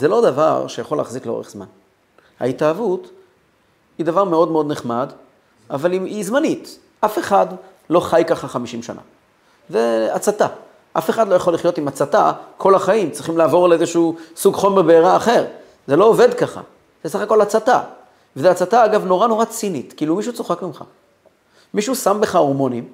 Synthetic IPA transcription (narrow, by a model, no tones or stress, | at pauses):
ze̞lo̞d̪ava̰ʁʃejaχo̞laːχzikleo̞̰ʁeχz̥ma̰n | ha̰itaːvut̪ | hid̪avaʁme̞o̞d̪meo̞d̪neχmad̪ | avaliizmanit | afe̞χad̪ | lo̞χajkaχaχamiʃimʃa̰na̰ | zeat͡sat̪a | ʔafeχad̪lo̞jaχo̞liχjo̞t̪imat͡sat̪akʰo̞laχaimt͡sʁiχimlaːvo̞ʁleezeʃuusuɡχo̞meʁbeːʁaːχe̞ʁ | zelo̞ːve̞d̪kaχa̰ | z̥esaχako̞lat͡sat̪a̰ | vezeat͡sat̪aaɡavno̞ʁano̞ʁat͡sinit̪kilumiʃ̬ut͡so̞χakmimχa̰ | miʃusambe̞χao̞ʁmo̞nim